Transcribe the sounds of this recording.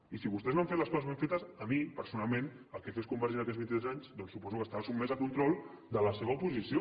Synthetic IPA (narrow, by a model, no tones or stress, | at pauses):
isiβust̪ɛznoaɱfet̪ləskɔzəzβeɱfet̪əsəmipəɾsunalˠmen | əlˠkɛfeskumbəɾʒiɾnəkɛzβint̪it̪ɾɛzaɲzd̪ɔnsupɔzukəst̪aβəsumːezəkunt̪ɾɔlˠ | d̪ələsɛβəupuzisio